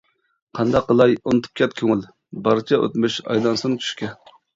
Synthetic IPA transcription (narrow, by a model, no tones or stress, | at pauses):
qʰɑnd̪ɑqːəlˠɑjonɨt̪ʰɨ̥p̚kʲɛt̪kʲʰøŋɪl | bɑɾt͡ʃʰɛʔø̰t̪myʃɑ̰jlˠɑnsɨnɨt͡ʃʰy̥ʃkʲɛ